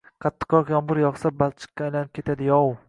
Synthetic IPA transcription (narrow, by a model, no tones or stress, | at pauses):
qʰɑt̪ʰːɨ̥qːɒqjɒmbɨɾjɒχsabalˠt͡ʃʰɪ̥kʲkʲːaːjlanɪp̚kʰʲe̞t̪ʰad̪ɪjɒw